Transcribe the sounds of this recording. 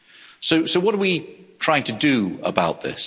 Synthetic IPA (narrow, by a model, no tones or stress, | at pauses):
soʊsoʊwɒɾəwitʰɹ̥aɪɪ̃ŋtʰədəə̰baʊʔ̪̚ðɪ̰s